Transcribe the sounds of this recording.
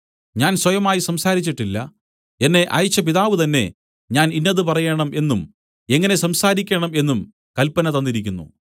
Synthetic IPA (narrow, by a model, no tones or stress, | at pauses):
ɲaːnswɐjɐmaːjisɐmsaːɾit͡ɕːiʈːilːɐ̰ | e̞nːe̞ʔɐ̰jit͡ɕːɐpiðaːʋɨt̪ɐnːe̞̰ | ɲaːninːɐðɨpɐrɐjeɳɐmʔe̞nːum | e̞ŋːɐne̞sɐmsaːɾikʲːeɳɐme̞nːum | kɐlpːɐnɐt̪ɐnːiɾikʲːunːṵ